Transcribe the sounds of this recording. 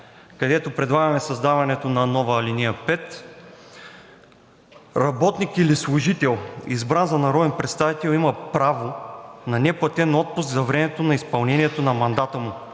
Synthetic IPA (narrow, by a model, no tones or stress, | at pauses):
kɐd̪ɛt̪opɾɛd̪lˠaɡɐmɛsɐzd̪avɐnɛt̪onɐnɔvɐlinijəpɛt̪ | ɾɐbɔt̪nikilislˠʊʒit̪ɛlˠizbɾanzɐnɐɾɔd̪ɛnpɾɛt̪st̪avit̪ɛlˠimɐpɾavonɐnɛplˠɐt̪ɛnɔt̪̚pʊsɡzɐvɾɛmɛt̪onɐispɐlˠnɛniɛt̪onɐmɐnd̪at̪əmʊ